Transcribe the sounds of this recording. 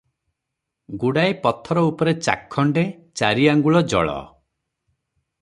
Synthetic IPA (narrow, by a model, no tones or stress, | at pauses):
ɡuɽaepɔt̪ʰɔɾɔupɔɾet͡ʃa̰kʰːɔɳɖe | t͡ʃaɾiaŋɡuɭɔd͡ʒɔ̰ɭɔ̰